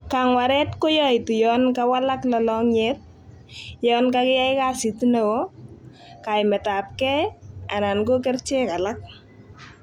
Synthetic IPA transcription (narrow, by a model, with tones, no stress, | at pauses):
ka˨ŋwa˨ɾɛ˦tko˦jɔ˦ɪ˨tu˨jɔ˦nkawa˦la˦klɔ˦lɔ˦ŋɲe˦t̚ | jɔ˦nkakɪ˦ja˦jka˦si˨ti˦ne˨wo˦ | ka˨jmɛ˨ta˨p̚kɛ˦a˨na˨nɡo˦k̬ɛ˦rt͡ʃe˦ka˨la˦k̚